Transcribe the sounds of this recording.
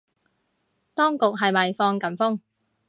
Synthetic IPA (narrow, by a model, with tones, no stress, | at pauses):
t̪ɔː˥ŋkʊ˨k̚ɦɐ˨jmɐ˨jfɔː˧ŋkɐ˨˩mfʊ˥ŋ